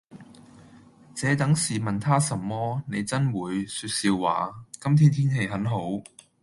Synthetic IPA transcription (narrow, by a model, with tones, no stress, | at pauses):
t͡sɛː˨˥t̪ɐ˨˥ŋsiː˨mɐ˨nt̪ʰaː˥sɐ˨˩mːɔː˥ne˨˧jt͡sɐ˥nwuː˨˧jsyː˧t̚siː˧wːa̰ː˨˧kɐ˥mt̪ʰiː˥nt̪ʰiː˥nhe˨˧jɦɐ˨˥nɦo˨˥w